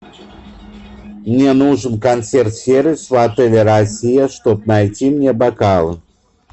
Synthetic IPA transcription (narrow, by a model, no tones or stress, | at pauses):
mnʲenuʐɨnkant̪sɛrt̪fʲeɾɨsvat̪ɛlʲɛɾɐsʲijɐʂt̪ɔp̚najt͡sʲimnʲebakalˠɨ